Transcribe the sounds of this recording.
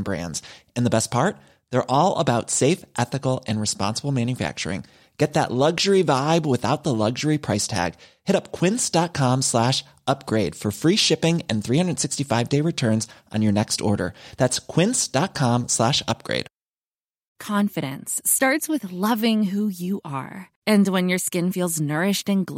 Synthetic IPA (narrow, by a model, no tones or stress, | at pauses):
bɹæ̰̃ndz̥ɨ̃nðəbɛs̚pʰɑɹt̪̚ | ðə˞ʔɔlˠə̰baʊtseɪfʔɛθɨkl̩ˠɨ̃nɹɨspɑ̰̃nsəbl̩ˠmæ̃njɨfæ̰k̚t͡ʃə̰˞ɪ̰̃ŋ | ɡ̥ɛt̪̚ðə̰ʔˡlʌɡʒə˞ivaɪbwəθaʊt̪̚ðəlʌɡʒə˞ipʰɹ̥aɪstʰæ̰ɡ̥hɪɾʌp̚kʰw̥ɪ̃nsd̥ɑt̚kʰɑ̃mslæʃ | ʌp̚ɡ̥ɹeɪd̥fə˞fɹiʃɪpɪ̃ŋɨ̃nθɹihʌ̃ndɨd̥sɪkstifaɪvdeɪɹɨtʰɜ̃˞nzʔn̩jə˞nɛkstɔ̰ɹɾə̰˞ðætskʰw̥ɪ̃nsd̥ɑt̚kʰɑ̃mslæʃʌ̰p̚ɡ̥ɹḛɪd̥ | kʰɑ̃ɱfɨɾɨ̃nstɑɹtswɨðlʌvɪ̃ŋɦujɨʔə̰˞ | ɨ̃nwɨ̃njə˞skɪ̃nfilˠznɜ˞ɪʃtɨ̃nɡl